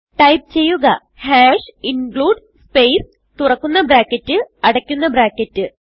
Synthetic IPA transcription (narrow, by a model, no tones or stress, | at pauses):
ʈɐjp̚t͡ɕe̞jːuɣɐ | haːʂiŋɡɭuːɖ | spe̞js | t̪urɐkːunːɐbɾaːkːɐtːɨɐɽɐkʲːunːɐbɾaːkːɐtːɨ